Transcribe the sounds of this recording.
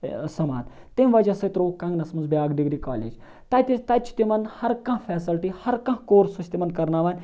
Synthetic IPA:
sɐma̰ːd̪ | t̪emʋɐd͡ʒɐsɐt̪ɾoːkɐ̃ŋɡnɐsmɐnzbʲjaːɡɖiɡɾikaːlḛːd͡ʒ | t̪ɐt̪it̪ɐjt͡ʃʰt̪imɐnhɐɾkɐ̃ɦfʰɛːsɐlʈihɐɾkɐ̃ɦkoːɾsɐt͡ʃʰt̪imɐnkɐɾnaːʋaːnʲ

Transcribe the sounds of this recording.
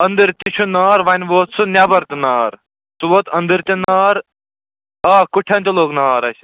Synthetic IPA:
ɐnd̪ɨɾt̪it͡ʃʰunaːɾʋɐnʲʋoːt̪sʰunʲabɐɾt̪inaːɾ | t̪uʋoːt̪ɐnd̪ɨɾt̪inaːɾ | aːkuʈʰɐnt̪ʲiloːknaːɾɐsʲ

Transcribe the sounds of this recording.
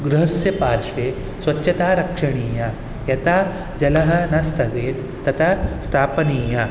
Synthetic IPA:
ɡɾuɦɐsjɐpaːɾʃʋeː | sʋɐtːɕɐt̪aːɾɐkʂɐɳ̃iːja | jɐt̪aː | d͡ʒɐlɐɦɐnɐst̪ʰɐɡeːt̪ | t̪ːɐt̪ʰast̪ʰaːpɐniːja

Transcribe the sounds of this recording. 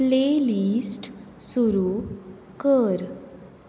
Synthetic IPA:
plelisʈ | suɾu | kəɾ

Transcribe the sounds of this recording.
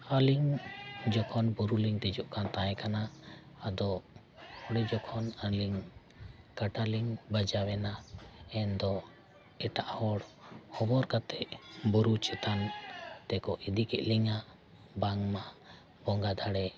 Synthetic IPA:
aliŋd͡ʒɔkʰɔnbuɾuliŋt̪ɛd͡ʒɔʔkant̪aɛkanaː | d̪ɔ | hɔɽɛd͡ʒɔkʰɔnaliŋ | kaʈaliŋbad͡ʒawɛnaɛnd̪ɔ | ɛʈaʔhɔɽhɔbɔɾkat̪ɛʔbuɾut͡ʃɛt̪ant̪ɛkɔʔid̪ikɛʔliŋa | baŋma | bɔŋɡad̪aɽɛ

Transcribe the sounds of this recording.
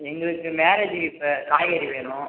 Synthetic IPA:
ɛŋɡɐɭɯkːɯmeːɾɐd͡ʒiʋɪpːɐkaːjɐɾiʋeːnʊ̃

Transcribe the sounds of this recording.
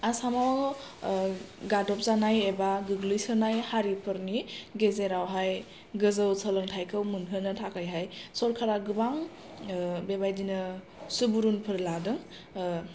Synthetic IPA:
asamaw | ɡadɔp̚zanajebaɡɯɡlɯjsɯnajhaɾipʰɯɾniɡezeɾawɦaj | ɡɯzɯwsʰəlɯŋtʰajkʰɯwmunɦɯnɯtʰakʰajɦajsɔɾkʰaɾaɡɯbaŋ | bebajdinɯ | subuɾunpʰɯɾladɯŋ

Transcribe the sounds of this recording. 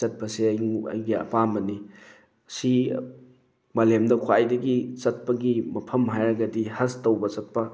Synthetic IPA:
ɐt̚pɐseɐ̰jɡiɐ̰pamɐni | si | mɐlemdɐkʰwajdɐɡit͡ʃɐt̚pɐɡimɐpʰɐmɦajɾɐɡɐdihɐstowbɐt͡ʃɐt̚pɐ

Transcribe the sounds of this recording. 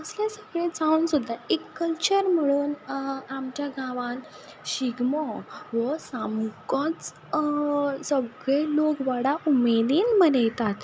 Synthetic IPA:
əsljasəɡɭẽd͡zaũːnsud̪ʱːaekːəlt͡ɕəɾm̤əɽuːnamt͡ɕjaɡʱãʋãn | ɕiɡmɔʋəsamukɔ̃t͡s | səɡɭelokʋaɽaumed̪iːnmənəjt̪at̪

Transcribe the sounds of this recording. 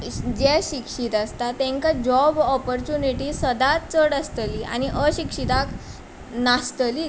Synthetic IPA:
d͡ʑɛɕikʂit̪ast̪at̪ːɛ̃ŋkad͡ʑɔbɔpəɾt͡ɕuniʈisəd̪at̪t͡səɽast̪əlia̰ñiʔəɕikʂit̪ak | nast̪əli

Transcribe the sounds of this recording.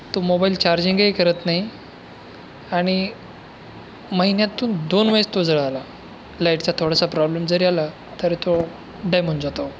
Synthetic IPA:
t̪omobailt͡ɕaɾd͡ʑĩŋɡejkəɾət̪naɦi | aɽ̃i | məɦinjãt̪uːnd̪onʋəjest̪od͡zəɭala | laiʈt͡ɕat̪ʰoɽasapɾɔblemd͡zəɾiala | t̪əɾit̪o | ɖajmuɳʈd͡zat̪o

